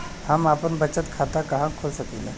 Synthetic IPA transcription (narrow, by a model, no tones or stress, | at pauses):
hamapəɳbət͡ɕət̪kʰat̪akaɦãkʰolsəkilə̰